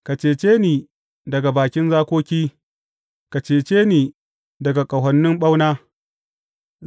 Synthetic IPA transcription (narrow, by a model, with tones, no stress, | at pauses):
ka˨t͡ʃeː˨t͡ʃeː˦niː˨ | dɐ˨ɡa˨baː˨kʲɪ˦nzaː˦kʷoː˦kʲiː˦ | ka˨t͡ʃeː˨t͡ʃeː˦niː˨ | dɐ˨ɡa˨kʼɐ˨ɦɐ˨nːɪ˦mɓa˦wnaː˦